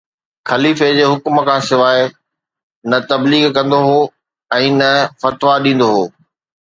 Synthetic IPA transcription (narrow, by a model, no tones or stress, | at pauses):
xɐliːfed͡ʑeːɦʊkmə̆kʰãːsɪʋaːe | nɐt̪ɐbliːɡkɐ̃nd̪oɦoː | ɛ̃ːnɐfɐt̪ʋaɗĩːn̆d̪oɦoː